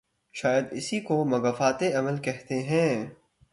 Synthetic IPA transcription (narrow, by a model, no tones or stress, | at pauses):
ʃaːjəd̪ɪsikomɐɡɐfaːt̪eɐməlkɛɦt̪eɦɛ̃ː